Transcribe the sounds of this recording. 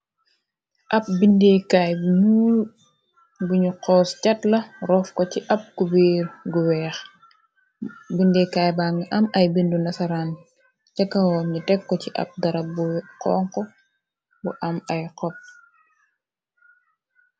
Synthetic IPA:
ʔɐp̚bindekajbunuːl | buɲuqɔːscɐtlɐrɔfkɔciʔɐp̚kubiːɾɡuwɛːx | bindɛkaːjbaŋɐʔɐmɐjbindunɐsɐɾan | cɐkːɐŋɔmɲutɛkːɔciʔɐ̰p̚dɐɾɐbuqɔ̰ːŋkɔ | buʔɐmɐjqɔp̚

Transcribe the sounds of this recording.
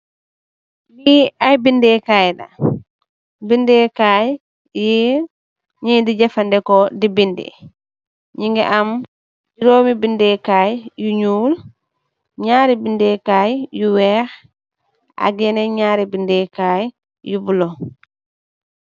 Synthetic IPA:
biajbindɛkaːjda̰ | bindɛkaj | ji | ɲidid͡ʒɛfandɛkɔdibindḭ | ɲiŋɡɛ̰ʔam | d͡ʒiɾoːmibindɛkajjuɲul | ɲaːɾibindɛkaːjjuwɛɾ | ʔa̰ɡɛnɛɲaɾibindɛkaj | jubulɔ

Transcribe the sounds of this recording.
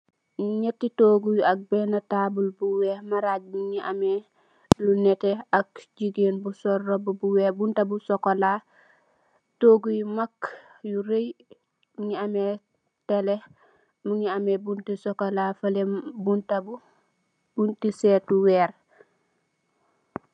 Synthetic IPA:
ɲetːitoːɡujak̚bɛnɐtaːbulbuwɛːɾmaɾaːɟ̚muŋiʔa̰me | lunɛteakɟiɡeːnbusɔrːɔbbuwɛbuntabusɔkːola | toːɡujmakː | juɾej | muŋiame | tele | muŋiamebuntisɔkolafɐlembuntabu | buntisɛtuwɛːɾ

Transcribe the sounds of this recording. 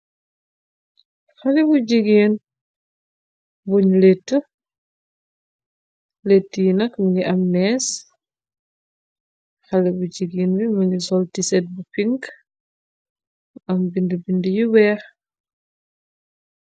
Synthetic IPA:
xɐlɛbuɟiɡeːn | buɲletːə | letːəjinɐkmɐŋɡiʔɐmnɛːs | xɐlɛbuɟiɡinbimɐŋɡisɔltisɛt̚bupiŋ | ɐmbindəbindəjiwɛːx

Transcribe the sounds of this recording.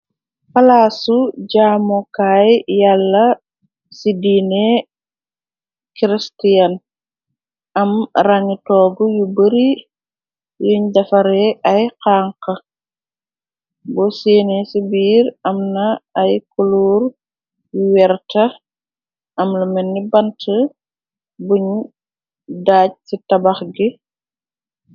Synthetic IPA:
fɐlaːsuɟaːmɔkaːjjalːɐ | sidine | kiɾistiɐn | ɐmraɲutɔːɡujubəɾi | juɲdɐfɐɾɛɐjqaːŋkɐ | bɔseːnesibiːɾɐmnɐːjkuluːɾ | juwɛɾtɐ | ʔɐmlɐmɛnːibɐntʰə | buɲ | daːc̚titɐbɐxɡi

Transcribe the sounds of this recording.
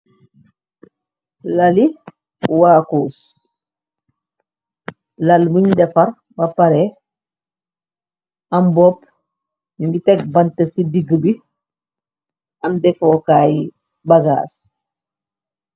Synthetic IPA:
lali | waːkoːs | lalbuɲdɛfɐɾ | bapaɾɛ | ambɔp | iŋɡitɛk̚bantɐsidiɡəbi | amdɛfɔːkaːj | baɡa̰ːs

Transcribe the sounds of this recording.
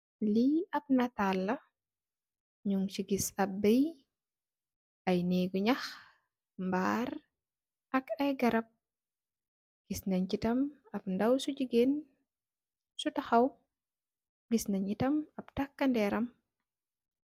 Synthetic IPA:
liɐp̚natalːɐ | ɲuŋt͡ʃiɡisɐb̚bɛj | ɐjneɡuɲɐx | mbaːɾ | ʔɐkɐjɡɐɾɐp̚ | ɡ̥isnɐɲcitɐmɐpndɐwsuɟiɡen | sutɐxɐw | ɡisnɐɲitɐmɐp̚takːɐndɛːɾɐm

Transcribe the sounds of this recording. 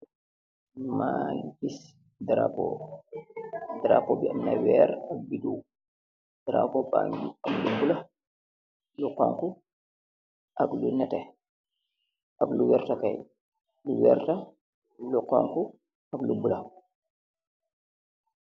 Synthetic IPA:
manbis | daɾa̰pɔ̰ | daɾapɔbianːawɛɾak̚biduw | d̥aɾa̰pɔbaŋɡiamlubula | luqɔŋku | ʔaklunɛtɛ | ʔakluwɛɾtakaj | luwɛɾta | lukɔ̰ŋku | aklubula

